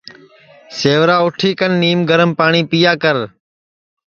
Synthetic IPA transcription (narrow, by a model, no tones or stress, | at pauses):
seːʋɾaːʊʈʰiːkənːiːmɡəɾəmpaːɳiːpijaːkəɾ